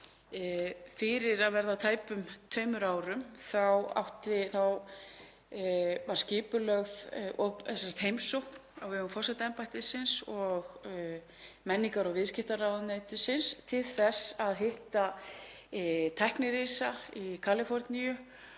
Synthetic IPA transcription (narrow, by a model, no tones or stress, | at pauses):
fɪɾɪɾaðvɛɾðat̪ʰaːjpʏmt̪ʰœːɥmʏɾaːwɾʏmθawa̰wht̪ɪθaw | vaɾ̥scɪːpʏlœɣðɔpsḁt̪hejmsɔwhknaɣvɪœʏmfɔsat̪ɛmpajt̪ɪsɪnsɔɣ | mɛnːiŋkaɾɔɣvɪðscɪft̪aɾawðnejt̪ɪsɪnst̪ʰɪlθɛsaðɦɪht̪a | t̪ʰɛhknɪɾiːsaikʰaːlɪfɔɾt̪nijʏ